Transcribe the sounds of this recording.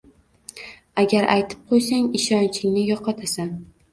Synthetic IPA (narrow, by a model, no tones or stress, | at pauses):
aɡʲaɾʔa̰jt̪ʰɪ̥p̚qʰojsaŋɪʃɒnt͡ʃʰɪŋnɪjɒqʰɒt̪ʰasa